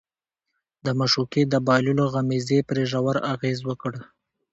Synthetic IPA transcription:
d̪əmaʃuked̪əbɑjluloɣamizepɾeʒawaɾaɣezwəkəɽ

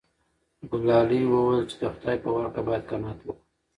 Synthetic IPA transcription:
ɡʊlɑliwəwəjlt͡ʃe̥d̪əxʊd̪ɑjpəwaɾkabɑjad̪̚kanɑt̪wu

